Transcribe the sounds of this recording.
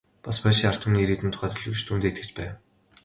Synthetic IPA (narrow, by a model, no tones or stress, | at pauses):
paspæːʃiːŋar̥t̪ʰə̆mniɾiːt̪ɘ̆nt̪ʰʊ̥χæːt̪ɵɮɵ̆kt͡ɕt̪ʰuːnt̪eːt̪ɡɘ̆t͡ɕpæː